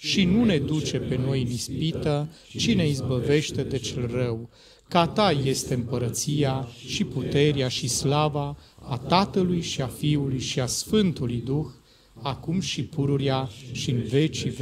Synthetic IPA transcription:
ʃinune̞d̪ut͡ʃe̞pe̞no̞jnispit̪ə | t͡ʃine̞izbəve̞ʃt̪e̞d̪e̞t͡ʃelrəw | kat̪aje̞st̪e̞ɨmpəɾət̪siaʃiput̪e̞ɾeaʃislavaːt̪at̪əlujʃiafiulujʃiasfɨnt̪ulujd̪ux | akumʃipuɾuɾjaʃiɨnve̞t͡ʃiv

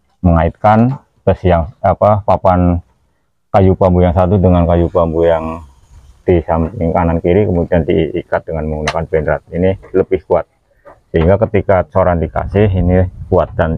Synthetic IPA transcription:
məŋait̪̚kan | t̪əsijaŋapapapan | kajupambujaŋsat̪̬udəŋankajupambujaŋ | d̥isampɪŋkanankiɾikəmudiandiːkat̪̚dəŋanməŋɡunakanpɛndɾat̪̚iniləbɪhkuat̪̚ | səɦiŋɡakət̪ikasoɾandika̰sɪɦinikuat̪̚dan

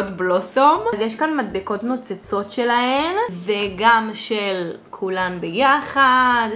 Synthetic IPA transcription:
ot̪blosomzjeʃkanmad̪̚biko̞tnot͡set͡so̞tʃelahenveɡamʃelkʰulanbejaχad̪

